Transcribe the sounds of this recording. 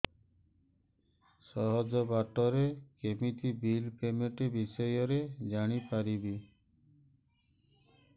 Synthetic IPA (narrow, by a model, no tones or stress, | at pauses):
sɔɦɔd͡ʒɔbaʈɔɾekemit̪ibilpemeʈebisɔjɔɾed͡ʒaɽ̃ipaɾibi